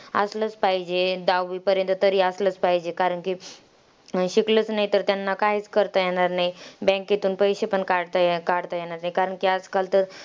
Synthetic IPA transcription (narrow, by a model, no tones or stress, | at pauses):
əslət͡spaɦid͡ʑed̪awʋipəɾjənt̪ət̪əɾiːəslət͡spaɦid͡ʑekaɾəɳki | ɕiklət͡snaɦit̪əɾt̪janːakaɦiːt͡skəɾt̪ajeɽ̃aɾnaɦibɛ̃ket̪uːnpəjɕepəɳkaɽt̪akaɽt̪ajeɽ̃aɾnaɦikaɾəɳkiad͡zkalt̪əɾ